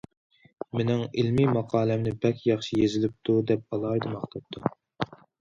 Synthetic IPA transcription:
menɪŋilmimɑqʰɑːlɛmnɪbɛkʲjɑχʃijezɪlɪp̚t̪ʰud̪ɛp̚ɑlˠɑjd̪ɨmɑχt̪ʰɑp̚t̪ʰːu

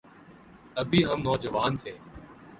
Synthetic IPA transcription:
əbʱiːɦə̃mnɔːd͡ʒəʋaːnt̪ʰeː

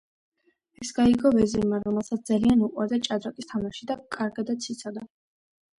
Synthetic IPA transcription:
ɛsɡaiɡɔvɛziɾmaɾɔmɛlˠsat̪̚ʰd̪zalianuqʼwaɾd̪at͡ʃʼad̪ɾakʼist̪ʰamaʃid̪akʼaɾɡad̪at̪sʰit̪sʰɔd̪a

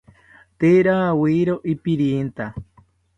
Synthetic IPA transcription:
t̪eɾawiɾoʔipiɾint̪a

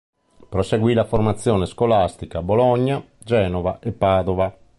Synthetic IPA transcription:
pɾɔseɡwiːlaformat̪sːjɔːneskolast̪ikabolɔɲːa | d͡ʒɛːnɔvaʔɛpːaːd̪ɔva

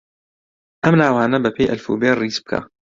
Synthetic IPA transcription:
ʔɐmnaːwaːnɐbɐpʰeːjʔɐlfṵːbeːriːzb̚kʰa̰

